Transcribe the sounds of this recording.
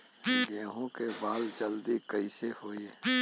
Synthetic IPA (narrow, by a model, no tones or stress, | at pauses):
ɡẽːɦõkebaːld͡ʒɐld̪ikɐisefoːiɛː